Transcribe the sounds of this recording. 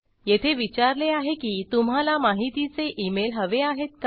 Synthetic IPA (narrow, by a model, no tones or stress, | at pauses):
jet̪ʰeʋit͡ɕaɾleaɦekiːt̪um̤ɦalamaɦit̪it͡seʔimelɦəʋeaɦet̪̚k